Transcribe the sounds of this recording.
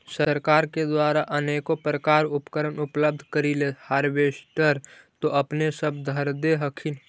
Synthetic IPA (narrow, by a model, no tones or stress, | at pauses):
səɾkaːɾked̪waːɾaʔəneːkopɾəkaːɾʊpkəɾənʊpləb̚d̪ʱkəɾilehaːɾʋeːsʈəɾt̪oʔɐpnesəb̚d̪ʱəɾd̪eɦəkʰɪn